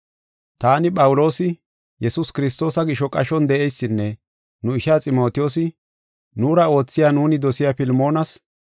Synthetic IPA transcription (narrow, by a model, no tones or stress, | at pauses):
t̪aːnɪpʼɐwʊlo̞ːsɪ | jɛsʊskɪɾɪst̪o̞ːsɐɡɪʃɔkʼɐʃɔnd̪ɛʔɛjsːɪnːɛ | nʊɪʃaːt͡sʼɪmo̞ːt̪ɪjo̞ːsɪ | nʊːɾɐo̞ːt͡sːɪjaːnuːnɪd̪ɔsɪjaːpɪlmo̞ːnɐs